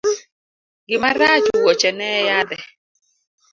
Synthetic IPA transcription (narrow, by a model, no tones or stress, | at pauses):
ɡɪmaɾad͡ʒuwɔt͡ʃɛnɛjad̪ɛ